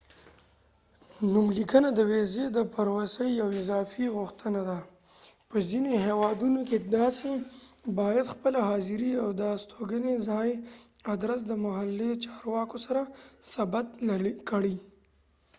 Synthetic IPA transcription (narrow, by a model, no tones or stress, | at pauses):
numlikənad̪əwezed̪əpaɾwasəjːawɪzɑfiɣʊxt̪ənad̪a | pəzineɦewɑd̪unoked̪ɑsebɑjad̪xpəlaɦɑzɪɾiawd̪əst̪ʰoɡənezɑjad̪ɾas̬d̪əmʊɦalːet͡ʃɑɾwɑkosaɾasabat̪ɽkəɽi